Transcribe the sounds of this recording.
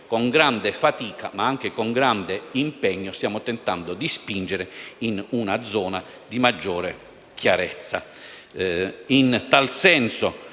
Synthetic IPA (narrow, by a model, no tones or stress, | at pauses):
koŋɡɾand̪efat̪iːka̰maaŋk̟ekoŋɡɾand̪eimpɛɲːost̪jaːmot̪ɛnt̪and̪ʊd̪ispind͡ʒeɾeinunad̪zːɔːna | d̪imad͡ʒːɔːɾe | k̟ʰjaɾɛt̪sːa̰ | int̪alsɛnso